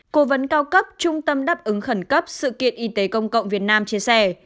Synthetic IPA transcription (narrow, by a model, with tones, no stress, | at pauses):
ko˨˦və˨˦nkaː˧wkə˦˥p̚t͡ɕʊ˧ŋ͡mt̪ə˧mɗaː˦˥p̚ʔɨ˨˦ŋxə˧˩nkə˦˥p̚sɨ̰˧˨kḭ˧˨ənʔi˧t̪e˨˦kə˧wŋ͡mkə̰˧˨wŋ͡mvi˨˩ət̚naː˧mt͡ɕi˧əsɛ˧˩